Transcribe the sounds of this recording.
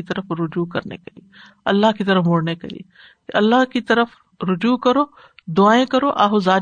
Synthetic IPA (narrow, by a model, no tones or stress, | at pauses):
it̪ɐɾəfɾʊd͡ʒuːkɐɾnḛkḛlḭe | ɐlːaɦkit̪ɐɾəfmʊɽnekḛlḭḛ | ɐlːaɦkit̪ɐɾəf | ɾʊd͡ʒuːkɐɾoː | d̪ʊaːẽkɐɾoʔaːɦozaː